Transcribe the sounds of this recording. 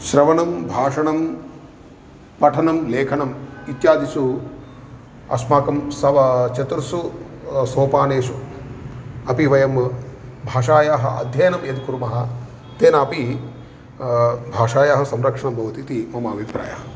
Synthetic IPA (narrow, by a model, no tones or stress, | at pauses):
ʃɾɐʋɐnɐmbʱaːʂɐɳɐm | pɐʈʰɐnɐmleːkʰɐɳɐmit̪jaːd̪isu | ɐ̰smaːkɐmsɐʋɐt͡ʃɐt̪uɾsusoːpaːneːʃu | ɐpiʋɐjɐmbʱaːʂaːjaːɦɐ̰ɐ̰d̪ʱjɐjɐnɐmed̪kuɾumɐɦɐ̆ | t̪eːnɐɐpi | bʱaːʂaːjaːɦɐsɐmɾɐkʂɐɳɐmbʱɐʋɐt̪it̪imɐmaːbʱipɾa̰ːja̰ːɦɐ